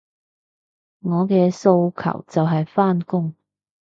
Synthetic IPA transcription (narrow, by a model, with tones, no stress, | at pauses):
ŋɔː˨˧kɛː˧so˧wkʰɐ̰˨˩wt͡sɐ˨wɦɐ˨jfaː˥nkʊ˥ŋ